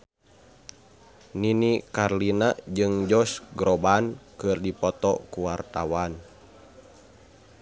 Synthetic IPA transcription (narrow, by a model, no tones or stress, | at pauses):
ninikarlinad͡ʒɨŋd͡ʒɔsɡɾɔbankɨrdipɔt̪ɔ̰kuwart̪a̰wan